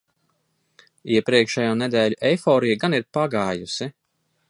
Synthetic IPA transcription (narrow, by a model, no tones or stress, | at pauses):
iɛpɾiɛkʃɛjoːnɛd̪ɛːʎʲuʔɛjfɔːɾijɡaniɾpaɡaːjusi